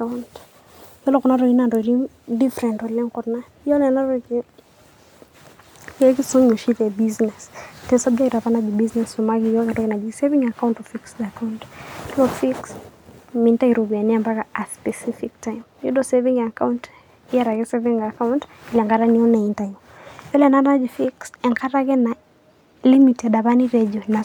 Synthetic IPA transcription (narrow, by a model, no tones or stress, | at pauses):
kant | jɔlɔkɔnaɾɔinandɔɾim | difɾɛntɔlɛŋkɔtnajɔnɛnaɾɔkɪ | jɛkɪsuɲoʃitɛbiznɛstɛsɔb̚d͡ʒɛtapanaɡibiznɛsɔmaɡijɔkatɔkɪnad͡ʒiseviŋakawntɔfiksdakauntlɔfiksmintaiɾɔβianiambakaaspɛsifik̚tajmjudɔsɛviŋakawnt | iaɾaɣɛsɛviŋakawntiliaŋɡaɾaniɔnaintaju | pɛlɛnanad͡ʒifiksaŋkaɾaɣɛna | limitadaβaniɾɛd͡ʒiɔna